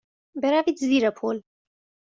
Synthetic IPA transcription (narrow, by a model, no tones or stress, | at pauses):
bɛɾavid̪ziɾɐpʰoːl